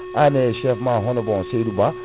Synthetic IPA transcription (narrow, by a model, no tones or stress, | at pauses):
aneʃɛfmaɦõnobɔseduba